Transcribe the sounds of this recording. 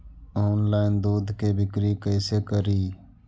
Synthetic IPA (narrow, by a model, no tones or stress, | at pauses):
oːnlaːɪnd̪oːd̪ʱkeːbʱɪkɾiːkəːseːkəɾiː